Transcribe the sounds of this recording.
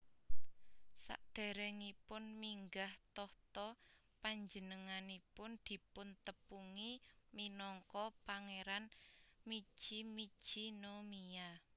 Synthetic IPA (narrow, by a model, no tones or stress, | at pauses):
sa̰ʔd̪̥e̤ɾɛŋipʊnmiŋɡaht̪ɔht̪ɔ | paɲd͡ʒənəŋanipʊnd̪̥i̤pʊnt̪əpuŋiminɔŋkɔpaŋeɾanmi̥ʒ̥imid̥ʒ̥inomia